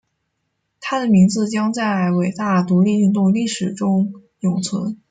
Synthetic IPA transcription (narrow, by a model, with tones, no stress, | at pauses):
t̪ʰa˥d̪ə˨mi˧˥ŋd͡zɹ̩˧t͡ɕjɑ˥ŋt͡sa˥˩ɪ˧˩we˨˩ɪt̪a˥˩t̪u˧˥li˥˧y˥˧nt̪ʊ˥˧ŋli˥˩ʂɻ̩˨˩ʈ͡ʂʊ˥ŋ | jʊ˨˩ŋt͡sʰwə̰˧˥n